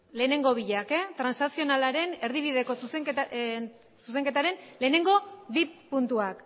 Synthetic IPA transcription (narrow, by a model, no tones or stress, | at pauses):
le̞ːne̞ŋɡo̞β̞iʎaket̪ɾansasio̞nalaɾe̞ne̞ɾðiβ̞ið̞e̞ko̞suse | sus̬e̞ŋke̞t̪aɾe̞nle̞ːne̞ŋɡo̞βipunt̪uak